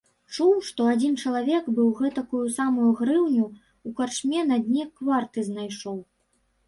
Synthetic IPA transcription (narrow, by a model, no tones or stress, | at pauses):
t͡ʂuwʂt̪ɔad͡zʲint͡ʂɐlˠavʲɛɡbɨwɣɛt̪ɐkujusamujuɣɾɨwnʲu | ukart͡ʂmʲɛnɐd̪ʲnʲɛkvart̪ɨznajʂɔw